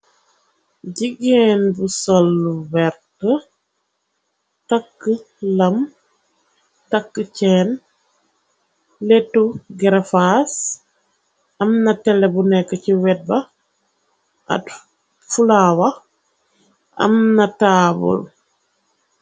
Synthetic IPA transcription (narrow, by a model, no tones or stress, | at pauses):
ɟiɡenbusolːuwɛɾtə | takːə | lɐm | takːət͡ʃɛːn | letuɡɛɾefas | ɐmnɐtɛlːebunɛkːəciwɛt̚bɐ | a̰t | fulawɐ | ʔɐ̰mnɐtaːbṵl